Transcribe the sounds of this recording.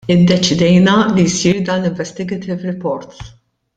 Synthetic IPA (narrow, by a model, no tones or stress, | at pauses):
ɪd̪ːɛt͡ʃɪd̪ɛjnɐlijsiːɾd̪ɐːnlɪɱvɛst̪ɪɡɛt̪ɪvɾɪpɔɾt̪